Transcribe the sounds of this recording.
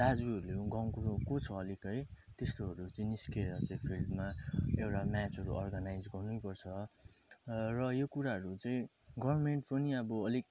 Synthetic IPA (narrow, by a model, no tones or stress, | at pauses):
d̪̥ad͡zuʌɾuleɡʌŋkuɾokot͡sʰʌːlikʌj | t̪est̪oɦʌɾut͡sʌĩniskeɾʌt͡sʌ̃ĩpʰildmaewʈamat͡sɦʌɾṵʔʌrɡanajd͡zɡʌrnujpʌrt͡sʰʌ | rʌjokuɾaɦʌɾut͡sʌĩ | ɡʌbrmeɳʈpʌniʌbʌʌlik